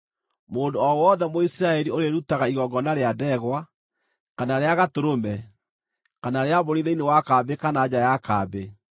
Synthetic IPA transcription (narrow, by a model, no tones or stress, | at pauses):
moːndoɔwɔðɛmoisiɾaɛɾioɾeɾutaɣaiɣɔɡɔnaɾeadɛɣwa | kanaɾeaɣatoɾomɛ | kanaɾeaβoɾiðeinewakaːbekanaːd͡ʑajakaːbe